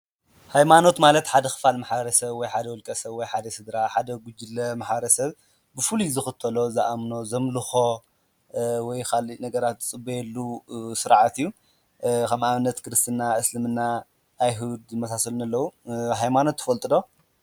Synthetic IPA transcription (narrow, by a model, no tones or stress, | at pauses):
hajmano̞t̪malɐt̪ħad̪ɐxɨ̥falmaħbɐɾɐsɐβwɔjħad̪ɐwɔlkʼɐsɐβwɔjħad̪ɐsɨd̪ɾaħad̪ɐɡud͡ʒɨlːɐmaħbɐɾɐsɐβ | bɨfɨluzɨxɨt̪ʰːɐlo̞zaʔamno̞zɐmlɨxo̞ | wɔjkʰalinɐɡɐɾat̪zɨt͡sʼɨbːojɛlːusɨɾʕat̪ijːu | kʰɐmʔaβɨnːɐt̪kʰɨɾɨst̪ʰɨnːaʔɨslɨmɨnːa | ʔːjɦud̪ɨmɐsasɐlunɐlːɐwuɦajmano̞t̪ːɨfɐlt̪ʼɨd̪o̞